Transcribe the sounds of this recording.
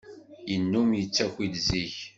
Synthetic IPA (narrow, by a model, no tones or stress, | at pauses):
jənːumjət͡sːækʷidziç